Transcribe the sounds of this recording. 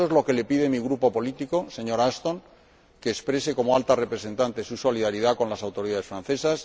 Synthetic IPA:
oezlo̞ke̞le̞piðe̞miɣ̞ɾupo̞po̞lit̪iko̞se̞ɲo̞ɾast̪o̞ŋ | ke̞ːspɾe̞se̞ko̞moalt̪are̞pɾe̞se̞nt̪ant̪e̞suso̞liðaɾiðakõ̞nlasawt̪o̞ɾiðaðe̞sfɾan̟θe̞sas

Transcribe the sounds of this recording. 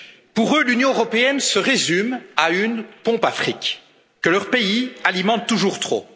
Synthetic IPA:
puʁølynjɔ̃øʁɔpeɛnsəʁezymaynpɔ̃pafχik | kːəlœʁpeialimɑ̃t̪ːuʒuʁt̪χo̰

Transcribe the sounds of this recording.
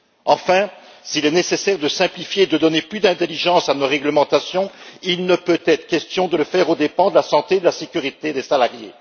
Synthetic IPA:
ɑ̃fɛ̃silɛnesesɛʁd̪əsɛ̃plifjeːd̪əd̪ɔneplyd̪ɛ̃t̪eliʒɑ̃sanoʁɛɡləmɑ̃t̪asjɔ̃ilnəpøt̪ɛt̪χə̥kʲɛst̪jɔ̃d̪ələfɛʁod̪epɑ̃d̪əlasɑ̃t̪ed̪əlasekʲyʁit̪ed̪esalaʁje

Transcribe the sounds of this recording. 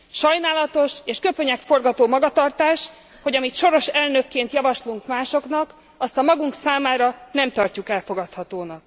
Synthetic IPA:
ʃɒjnaːlɒt̪o̞ʃeːʃkøpøɲɛkfo̞rɡɒt̪oːmɒɡɒt̪ɒrt̪aːʃ | ho̞ɟɒmit̪ʃo̞ɾo̞ʃɛlnø̞kːeːnt̪jɒvɒʃluŋkmaːʃo̞knɒk | ɒst̪ɒmɒɡuŋksaːmaːɾɒnɛmt̪ɒrcukɛlfo̞ɡɒt̪hɒt̪oːnɒk̚

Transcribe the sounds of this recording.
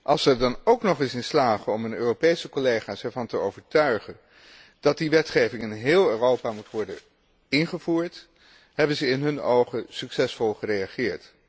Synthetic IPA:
ʔɑlˠsɛɹdɑnowknɔχɪsɪnslaːχəɔmɦənøːropejsəkɔlejχaːsɛɹvɑntəowvəɹtœɥχən | d̥ɑt̚diʋɛtχejvɪŋɪnɦɪːlˠøːrowpaːmutʋɔɹdə̰n | ɪnχəvuːɹt | ɦɛbənzəɪnɦɵno̰wχəsyksɛsfɔlˠχərejaχɪːɹt

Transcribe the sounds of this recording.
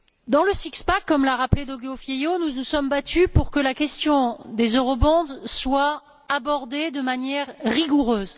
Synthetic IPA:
d̪ɑ̃ləsikspakːɔmlaʁapled̪ɔɡofjejonunusɔmbat̪ʰypuʁkəlakʲɛst̪jɔ̃d̪ezøʁɔbɑ̃d̪swaː | bɔʁd̪ed̪əmanjɛʁʁiɡuʁøːz

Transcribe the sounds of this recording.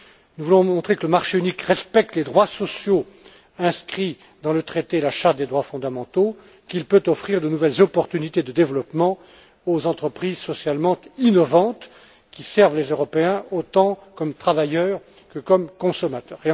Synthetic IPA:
nuvulɔ̃mɔ̃t̪χekələmaʁʃeynikʁɛspɛk̚t̪led̪ʁwasɔsjo | ɛ̃skχi | d̪ɑ̃lət̪χet̪elaʃaʁt̪̚d̪ed̪ʁwafɔ̃d̪amɑ̃t̪o | kilpøt̪ɔfχiʁd̪ənuvɛlzɔpɔʁt̪ynit̪ed̪əd̪evlɔpmɑ̃ | ozɑ̃t̪χəpχizsɔsjalmɑ̃t̪inɔvɑ̃t̪ | kʲisɛʁvlezøʁɔpeɛ̃ot̪ɑ̃kɔmt̪χavajœːʁ | kəkɔmkɔ̃sɔmat̪œːʁe

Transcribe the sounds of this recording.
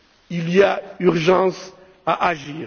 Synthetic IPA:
iliayʁʒɑ̃s | aʔaʒiː

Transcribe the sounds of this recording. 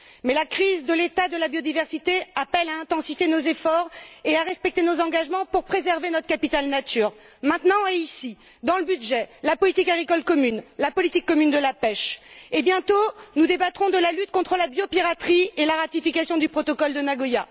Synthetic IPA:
mɛlakχizd̪əlet̪ad̪əlabjod̪ivɛʁsit̪eapɛlaɛ̃t̪ɑ̃sifjenozefɔʁeaʁɛspɛk̚t̪enozɑ̃ɡaʒmɑ̃puʁpχezɛʁvenɔt̪χəkapit̪alnat̪yːʁ | mɛ̃t̪nɑ̃eisi | d̪ɑ̃ləbyd̪ʒɛlapɔlit̪ikaɡʁikɔlkɔmynlapɔlit̪ikːɔmynd̪əlapɛʃebjɛ̃t̪onud̪ebat̪χɔ̃d̪əlalyt̪̚kɔ̃t̪χəlabjopiʁat̪χielaʁat̪ifikasjɔ̃d̪ypχɔt̪ɔkɔld̪ənaɡɔja

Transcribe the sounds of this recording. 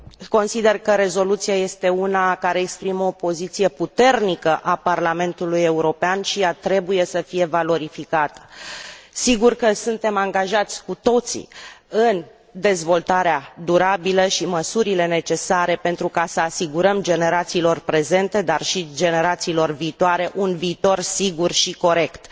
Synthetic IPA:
ko̞nsid̪e̞rkəɾe̞zo̞lut̪siaje̞st̪e̞unakaɾe̞ːkspɾimopo̞zit̪sije̞put̪e̞rnikəʔaparlame̞nt̪uluje̞uɾo̞peanʃijat̪ɾe̞buje̞səfije̞valo̞ɾifikat̪ə̥ | siɡurkəsunt̪e̞maŋɡaʒat̪sʲkut̪o̞t̪sḭɨn | d̪e̞zvo̞lt̪aɾead̪uɾabiləʃiməsuɾile̞ne̞t͡ʃe̞saɾe̞pe̞nt̪ɾukasəasiɡuɾəmd͡ʒe̞ne̞ɾat̪siːlo̞rpɾe̞ze̞nt̪e̞d̪arʃid͡ʒe̞ne̞ɾat̪siːlo̞rviːt̪oaɾe̞ʔunviːt̪o̞rsiɡurʃiko̞ɾe̞kt̪

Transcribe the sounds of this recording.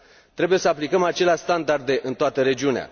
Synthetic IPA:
t̪ɾe̞buje̞səaplikəmat͡ʃe̞leaʃʲst̪and̪ard̪e̞ʔɨnt̪oat̪əɾe̞d͡ʒiunea̰

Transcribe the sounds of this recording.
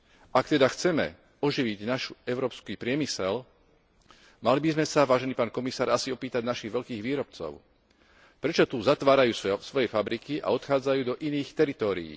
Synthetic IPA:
akt̪ɛd̪axt͡sɛmɛ̰ | ɔʒiʋiɟnaʃuɛʊɾɔːpskiːpɾɪɛmisɛl | malibizmɛsaʋaːʒɛniːpaːnkɔmisaːɾasiɔpiːt̪aɟnaʃiːɣʋɛʎkiːɣʋiːɾɔp̚t͡sɔ̰ʊ | pɾɛt͡ʃɔt̪uːzat̪ʋaːɾajuːssʋɔjɛfabɾikiʔa̰ɔt̪xaːd͡zajuːd̪ɔʔiniːxt̪ɛɾit̪ɔːɾḭjḭː

